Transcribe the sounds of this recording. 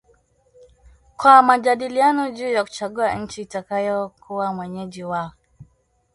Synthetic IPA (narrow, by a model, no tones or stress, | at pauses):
kwamad͡ʒaɗilianɔd͡ʒuːjaku̥t͡ʃaɡuaɲ̩t͡ʃiːtakajɔkʰuwamwɛɲɛd͡ʒiwaɔ